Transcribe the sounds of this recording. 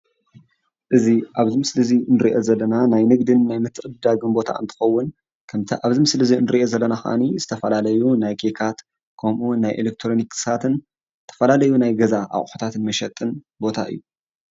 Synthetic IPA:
ʔɨziʔaβzimɨslɨzinɨɾiʔo̞zɐlːɐnanajnɨɡd̪ɨnːajmɨt̪ʰːɨʔʼɨd̪aɡɨnbo̞t̪ʰa̰ɨ̰nt̪ʰɨ̥xɐwːʊn | kʰɐmt̪ʰɐʔaβzimɨslɨzinɨɾiʔozɐlːɐnaxʔa̰nizɨt̪ʰɐfɐlalɐjunajkʰekʰat̪ | kʰɐmʔunajʔelek̚t̪ʰɾo̞niksat̪ʰɨn | t̪ʰɐ̥fɐlalɐjunajɡɐzaʔa̰χʼħu̥t̪ʰat̪ɨnmɐʃɐt̪ʼːɨn | bo̞t̪ʰa̰ʔɨ̰jːu

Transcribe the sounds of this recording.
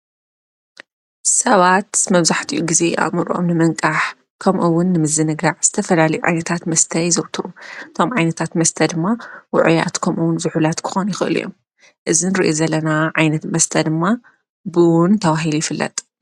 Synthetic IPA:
sɐβat̪mɐβzaħt̪ʰiʔuɡize̞ʔa̰βmɨɾʔo̰mnɨmɐŋkʼaħ | kʰɐmʔuwʊnːɨmɨzːɨnɨɡaʕz̥ɨt̪ʰɐfɐlalɐjuʕa̰jnɐt̪ʰat̪mɐst̪ʰɐjzɐwt̪ʰɨʔuʔɨt̪ʰo̞mʕajnɐt̪ʰat̪mɐst̪ʰɐd̪ɨmːawʊ̰ʕja̰t̪kʰɐmʔuwʊnzɨħulat̪kʰɨ̥xonjɪxɨʔɨ̰lṵjo̰m | ʔɨzinɨɾiʔozɐlːɐnaʕajnɐt̪mɐst̪ʰɐd̪ɨmːa | bɨwʊnt̪ʰɐβaɦilujɪfɨlːɐ̰t̪ʼ

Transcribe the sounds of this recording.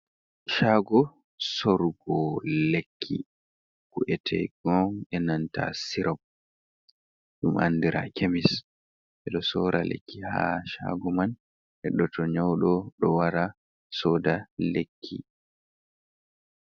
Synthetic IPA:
ʃaːɡɔ | sɔɾɡɔlekʰːḭ | kuʔɛtʰɛ̰jɡɔŋɛnanta̰siɾʔab̚ | ɗumʔa̰nːdiɾʔa̰kemis | ʔɛɗɔsɔːɾalḛkːiha̰ʃa̰ɡɔman | hɛɗːɔtɔɲawɗɔɗɔwaɾa | sɔːdalekʰːḭ

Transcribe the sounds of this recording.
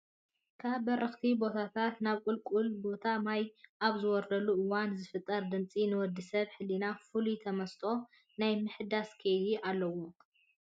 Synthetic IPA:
kʰaβːɐɾɐxt̪ʰibo̞t̪ʰat̪ʰat̪naβkʼulkʼulbo̞t̪ʰamajʔaβzɨwɔɾd̪ɐlːuʔɨwanzɨfɨt̪ʼːɐɾd̪ɨnt͡sʼinɨwɔd̪isɐβħɨlːinafɨlut̪ʰɐmɐst̪ʼo̞ | najmɨħɨd̪askʰejd̪iʔalːɐwo̞

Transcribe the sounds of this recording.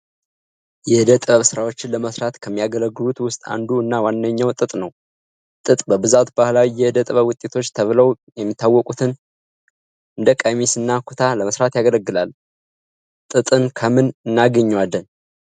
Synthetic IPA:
jɛɨd̪ət̪ʼβəβsɨɾawo̞t͡ʃːɪnləməsɾat̪kʰəmːijaɡələɡːɨlut̪wʊst̪ʼa̰nd̪uɨnːawanːəɲːawt̪ʼɨt̪ʼnəw | t̪ʼɨt̪ʼbəbɨzat̪bahlawijɛɨd̪ət̪ʼβəwʊt̪ʼːe̞t̪ʰo̞t͡ʃːt̪ʰəβləw | jɛmːit̪ʰːawːɔkʼut̪ʰɨn | ʔɨnd̪əkʼəmisɨnːakʰu̥t̪ʰaləməsɾat̪jaɡələɡːɨlal | t̪ʼɨt̪ʼɨnkʰəmɨnɨnːaɡəɲːwalːən

